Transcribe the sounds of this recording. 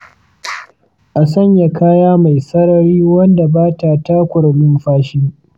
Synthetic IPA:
ʔa˨s̬ɐ˦ɲja˨kaː˦jaː˦ma˨jsɐ˦ɾɐ˨ɾiː˦wɐ˦nda˨baː˦ta˨ta˦kʷʊ˨ɽlʊ˦mɸaː˦ʃiː˦

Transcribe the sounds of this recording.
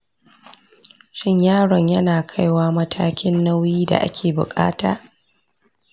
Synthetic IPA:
ʃɪ˦ɲjaː˦˨ɽɔ˨ɲjɐ˦naː˨kʰa˦jwaː˦mɐ˦tʰaː˦kʲɪ˦nːa˦wjiː˦da̰˨ʔa̰˦kʲʰeː˨bʊ̰˨kʼa̰ː˦taː˨

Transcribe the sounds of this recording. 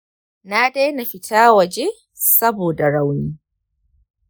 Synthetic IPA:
naː˦da˦na˨ɸɪ˦taː˦wɐ˨d͡ʒeː˦ | sɐ˦boː˨da˨ɽa˦wniː˦

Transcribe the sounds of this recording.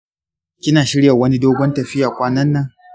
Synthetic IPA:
kʲɪ˦naː˨ʃɪ˦ɽja˨wɐ˦ni˦doː˦ɡʷɔ˦ntɐ˨ɸɪ˦jaː˨kʷaː˦nɐ˦nːɐ˨ŋ

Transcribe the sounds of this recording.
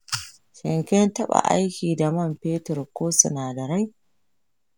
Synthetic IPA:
ʃɪ˨ŋkʲɛ˦ntɐ˦ɓa̰˨ʔa̰˦jkʲiː˨da˨mɐ˦˨mpeː˦tɛ˨ɾkʷoː˦sʊ˨naː˨dɐ˨ɾa˦j

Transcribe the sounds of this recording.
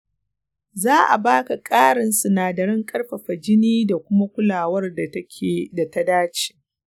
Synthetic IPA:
zaː˦ʔa̰˨baː˦ka˨kʼaː˦ɽɪ˨nsu˨naː˨dɐ˨ɽɪ˦ŋkʼɐ˦rɸɐ˨ɸɐ˨d͡ʒɪ˦niː˦da˨kʷʊ˦ma˦kʷʊ˦laː˨wɐ˦rda˨tɐ˦kʲʰeː˨da˨ta˦daː˦t͡ʃi̥˨

